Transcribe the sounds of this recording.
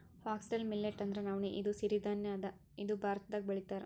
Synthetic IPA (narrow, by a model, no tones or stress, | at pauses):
haːksʈɐlmilːeʈːɐnd̪ɐɾenaːʋneʔid̪usiɾid̪aːnjaːd̪ɐ | id̪ubʱaːɾt̪ʰɐd̪aːɡ̚bɐɭit̪aːɾe